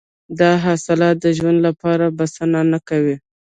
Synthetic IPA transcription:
d̪ɑɦɑsɪlɑt̪̚d̪əʒwand̪lapɑɾabasənanakawi

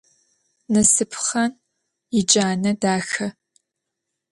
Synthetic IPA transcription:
nɐsɨpʰχɐn | jɪd͡ʒʼaːnɐdaːxɐ

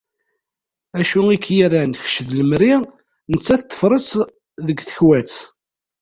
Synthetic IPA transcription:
æʃuikːjæɾænç̥ʃðləmɾi | nət͡sːæθt̪ːə̥fɾˤəs | ðəɡθə̥çwæt͡s

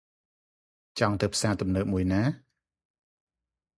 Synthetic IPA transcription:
t͡ɕɑŋt̪ɨwpʰsaːt̪umnəːk̚muəjnaː

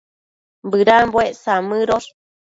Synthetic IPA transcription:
bɨɾambweʔsamɨɾoɾ

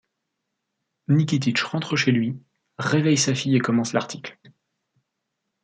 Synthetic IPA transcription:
nik̬ʲit̪̬it͡ʃʁɑ̃t̪χəʃelɥi | ʁevɛjsafijekɔmɑ̃slaʁt̪ʰikl

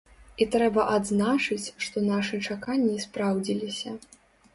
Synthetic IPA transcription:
it̪ɾɛbɐʔad̪znat͡ʂɨt͡sʲʂt̪ɔnaʂɨt͡ʂakanʲːispɾawd͡zʲilʲisʲɐ

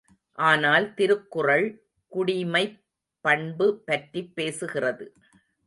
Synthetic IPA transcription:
ʔaːnaːlt̪ɪɾɯkːʊrɐɭ | kʊɽɪmɐɪ | pːɐɳbɯpːɐʈripːeːsɯɣɪrɐðɯ

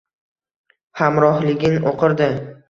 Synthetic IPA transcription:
hamɾɒhlɪɡʲɪnoqʰɨɾd̪ɪ

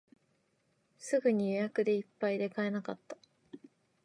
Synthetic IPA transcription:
sɨɡɯ̟ɲ̟ijojakɯ̟d̪e̞ipːaid̪e̞kae̞nakat̪ːḁ

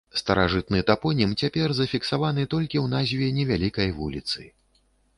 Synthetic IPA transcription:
st̪ɐɾaʐɨt̪̚nɨt̪apɔnʲimt͡sʲapʲɛrzɐfʲiksavanɨt̪ɔlʲkʲiwnazʲvʲɛnʲɛvʲalʲikɐjvulʲit̪sɨ

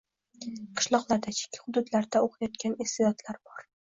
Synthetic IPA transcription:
qʰɨ̥ʃlˠɒqlˠaɾd̪at͡ʃʰɪ̥kʲʰːḁhʊd̪ʊd̪laɾd̪aoqʰjɒt̪̚kʲanɪst̪ed̪ɒt̪laɾbɒɾ

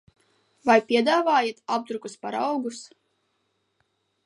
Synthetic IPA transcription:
vajpʲiɛd̪aːvaːjat̪ab̚d̪ɾukuspaɾawɡus

